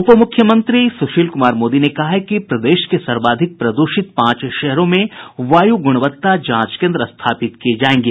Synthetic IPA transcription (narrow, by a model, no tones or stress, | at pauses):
ʊpəmʊkʰːjəmə̃nt̪ɾisʊʃiːlkʊmaːɾmoːd̪inekɐɦaɦɛkipɾɐd̪eːʃkesɐɾbaːd̪ʱɪk̚pɾɐd̪uʃɪt̪pãːt͡ʃʃɛɦɾõmẽʋaːjuɡʊɽ̃ʋət̪ːad͡ʒãːt͡ʃkẽːnd̪ɾəst̪ʰaːpɪt̪kied͡ʒaːẽːŋɡeː